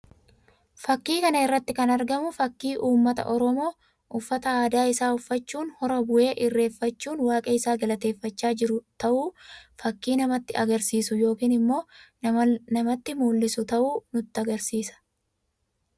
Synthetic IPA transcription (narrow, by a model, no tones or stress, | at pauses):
fɐkːiːkɐnɐɪrːɐt̪ːɪkɐnɐɾɡɐmʊfɐkːiːʔuːmːɐt̪ɐ̰ʔɔɾɔmo̞ː | ʔʊfːɐt̪ɐaːd̪aːɪsaːʊfːɐt͡ʃːuːnhɔɾɐbʊʔe̞ːʔɪrːe̞ːfːɐt͡ʃːuːnwaːkʼɐɪsaːɡɐlɐt̪e̞ːfːɐt͡ʃːaːd͡ʒɪɾʊt̪ɐʔuːfɐkːiːnɐmɐt̪ːɪɐɡɐɾsiːsʊjo̞ːkiːnɪmːo̞ː | nɐmɐt̪ːɪmuːlːɪsʊt̪ɐʔuːnʊt̪ːɪɐɡɐɾsiːsɐ̥